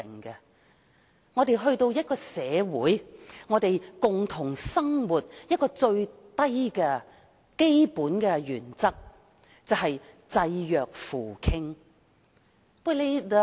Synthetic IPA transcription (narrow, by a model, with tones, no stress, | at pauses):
ɪ˨˩ŋkɛ˧ | ŋɔː˨˧t̪e˨jɦɵ˧ɥt̪o˧wjɐ˥t̚kɔː˧sɛː˨˧wuː˨˥jŋɔː˨˧t̪e˨jkʊ˨ŋt̪ʰʊ˨˩ŋsɐ˥ŋwu˨˩t̚jɐ˥t̚kɔː˧t͡ʃɵ˧ɥ | t̪ɐ˥jkɛː˧ | ke˥jpuː˨˥nkɛ˧jyː˨˩nt͡sɐ˥k̚ | t͡sɐ˨wɦɐ˨j | t͡sɐ˧jjœː˨k̚fuː˨˩kʰɪ˥ŋ | wɛ˥le˨˧˨